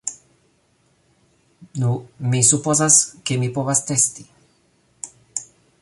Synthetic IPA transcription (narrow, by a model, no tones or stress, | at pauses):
numẽsupɔzaskemipɔβast̪ɛst̪i